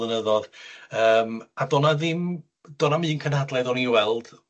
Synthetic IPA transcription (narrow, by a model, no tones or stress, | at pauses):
ənəðɔðəːmadɔnaðɪm | d̥ɔnamiːnkʰənhadlˠɛðɔniwɛlˠd̥